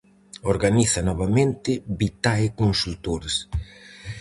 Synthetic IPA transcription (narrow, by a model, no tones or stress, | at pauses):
oɾɣaniθɐnɔβamẽnt̪ɪbit̪aekonsult̪oɾes